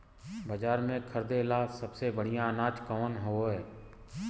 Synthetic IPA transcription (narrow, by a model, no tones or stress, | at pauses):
bəd͡ʒaːɾmẽkʰəɾd̪elasəbsebəɽ̤ijãnaːt͡ʃkɔːnɦoɦɛː